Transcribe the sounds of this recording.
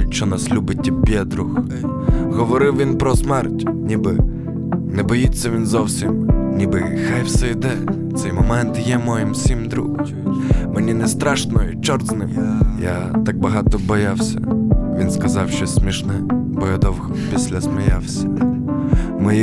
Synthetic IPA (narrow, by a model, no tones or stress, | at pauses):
ʃt͡ʃɔnaslʲubɪtʲːipʲɛd̪ɾux | ɣɔʋɔɾɪwʋʲinpɾɔsmɛrtʲnʲibɪ | nɛbɔjit͡sʲːɐʋʲinzɔwsʲimnʲibɪxajwsɛjd̪ɛ | t̪sɛjmɔmɛnt̪jɛmɔjɪmsʲimd̪ɾṵx | menʲinɛst̪ɾaʃnɔjʊt͡ʃɔrznɪmja | t̪ak̚bɐɦɑt̪ɔbɔjawsʲɐ̰ʋʲinskɐzɑwʃt͡ʃɔsʲmʲiʃnɛ | bɔjɛd̪ɔwɣɔpʲisʲlʲɐsmɪjawsʲɐ̥ | mɪ